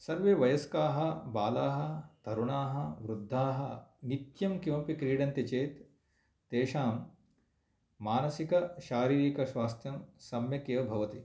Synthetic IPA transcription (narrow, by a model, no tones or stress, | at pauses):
sɐɾʋeːʋɐjɐskaːɦɐ̆baːlaːɦɐ̆d̪̥ʱɐɾuɳaːɦɐʋɾud̪ʱːaːɦɐ̰nit̪jɐmkjoːpikɾiːɽɐnt̪ɐt͡ʃeːt̪ː | eːʃaːm | aːnɐsikɐʃaːɾiːɾikɐʃʋaːst̪ʰjɐmsɐmjɐkeːʋɐbʱɐʋɐt̪i